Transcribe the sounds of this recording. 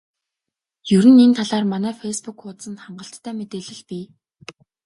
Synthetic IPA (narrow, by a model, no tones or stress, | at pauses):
jɵɾɘ̆nent̪ʰaɮaːrmanæːfespukʊt̪sə̆nt̪χaɴɢə̆ɬt̪ʰːæːmet̪eːɮɘ̆ɮpiː